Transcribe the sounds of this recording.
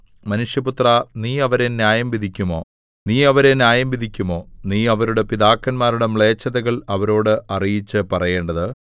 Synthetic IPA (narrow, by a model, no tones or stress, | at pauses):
mɐnuʂjɐput̪rɐniːɐʋɐɾe̞njaːjɐmbid̪ʱikʲːumo̞ː | niːɐʋɐɾe̞njaːjɐmbid̪ʱikʲːumo̞ːniːɐʋɐɾuɽe̞piðaːkːɐnmaːɾuɽe̞mɭe̞ːt͡ɕːɐðɐɣɐɭɐʋɐɾo̞ːɽɨʔɐrijit͡ɕːɨpɐrɐje̞ːɳɖɐðɨ